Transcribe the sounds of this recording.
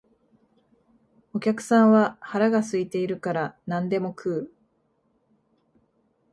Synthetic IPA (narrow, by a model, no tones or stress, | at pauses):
o̞kʲakɯ̟̥sãɰ̃βahaɾaɡasɨit̪e̞iɾɯ̟kaɾanãnd̪e̞mo̞kʰɯː